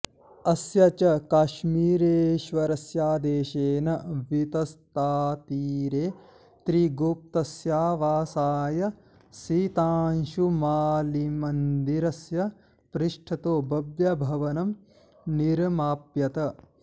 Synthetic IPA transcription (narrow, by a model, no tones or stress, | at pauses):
ɐsjɐt͡ʃɐkaːʃmiːɾeːʃʋɐɾɐsjaːd̪eːʃeːnɐʋit̪ɐst̪aːt̪iːɾeː | t̪ɾiɡup̚t̪ɐsjaːʋaːsaːjɐ | sit̪aːnʃumaːlimɐnd̪iɾɐsjɐ | pɾiʂʈʰɐt̪oːbɐbjɐbʱɐʋɐnɐm | niɾmaːpjɐt̪ɐ